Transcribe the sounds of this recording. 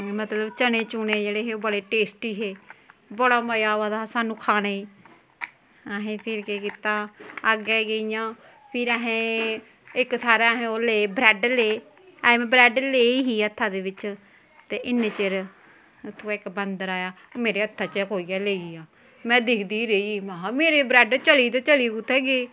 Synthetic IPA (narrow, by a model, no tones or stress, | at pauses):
mət̪ləbt͡ʃənẽːt͡ʃuːneːd͡ʒeːɽeːɦeːoːbəɽeːʈeːsʈiːɦeːbəɽaːməjaːʋad̪aːsaːnũːkʰaːneː | ɦẽːpʰɪɾkeːkiːt̪aːəɡɛːɡəijãː | pʰɪɾɛɦẽː | ɪkt̪ʰaːɾeːɦẽːoːleːbɾɛːɖlẽː | mɛ̃ːbɾɛːɖleːiɦiːət̪ʰːaːd̪eːʋɪt͡ʃ | t̪eːʔɪnːeːt͡ʃəɾ | t̪ʰːoɪkbənd̪əɾaːjaː | meːɾeːət̪ʰːaːt͡ʃəkoːiːaːleːiiːaː | mɛ̃ːd̪ɪkʰd̪iːɾeimameːɾeːbɾɛːɖt͡ʃəliːt̪oːt͡ʃəliːkut̪ʰːɛːɡeː